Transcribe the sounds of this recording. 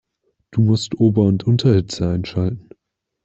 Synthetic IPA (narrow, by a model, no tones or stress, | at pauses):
d̥uːmʊstʔoːbɐʊntʔʊntʰɐhɪt͡səaɪnʃaltn̩